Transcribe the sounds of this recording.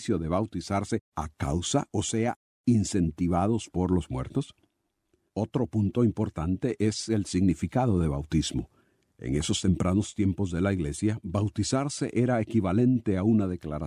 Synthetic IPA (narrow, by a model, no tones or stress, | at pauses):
sjo̞ðe̞βawt̪isaɾse̞akawsa̰ʔose̞a | inse̞nt̪iβaðo̞spo̞ɾlo̞zmweɾt̪o̞s | o̞t̪ɾo̞punt̪o̞impo̞ɾt̪ant̪eʔe̞se̞lsiɣnifikað̞o̞ðe̞βawt̪izmo̞̰ | ḛŋe̞so̞st̪e̞mpɾʔano̞st̪je̞mpo̞zðe̞laiɣle̞sjaβawt̪isaɾse̞ʔe̞ɾaekiβale̞nt̪e̞aunað̞e̞klaɾa